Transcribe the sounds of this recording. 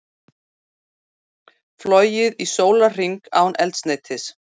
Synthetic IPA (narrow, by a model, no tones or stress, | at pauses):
flɔjɪðisoːwlar̥iŋkaːwnʔɛlt̪sneːjt̪ʰɪs